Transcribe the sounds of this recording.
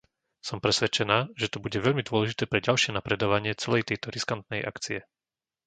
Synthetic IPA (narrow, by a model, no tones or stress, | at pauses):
sɔmpɾɛsʋɛt͡ʃɛnaːʒɛt̪ɔbuɟɛʋɛʎmid̪ʊɔlɛʒit̪ɛːpɾɛɟalʃɪɛnapɾɛd̪ɔʋaɲɪɛt͡sɛlɛjt̪ɛjt̪ɔɾiskant̪̚nɛjʔa̰kt͡siɛ